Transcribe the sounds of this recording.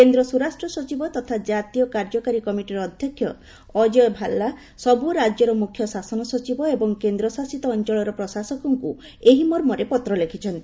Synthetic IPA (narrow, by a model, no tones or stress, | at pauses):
kend̪ɾɔsuɾasʈɾɔsɔt͡ʃibɔt̪ɔt̪ʰad͡ʒat̪ijɔkaɾd͡ʒɔkaɾikɔmiʈiɾɔd̪ʱjɔkʰjɔː | d͡ʒɔjbʱalːa | sɔbuɾad͡ʒjɔɾɔmukʰjɔsasɔnɔsɔt͡ʃibɔebɔŋkend̪ɾɔsasit̪ɔːnt͡ʃɔɭɔɾɔpɾɔsasɔkɔŋku | eɦimɔɾmɔɾepɔt̪ɾɔlekʰit͡ʃʰɔnt̪ii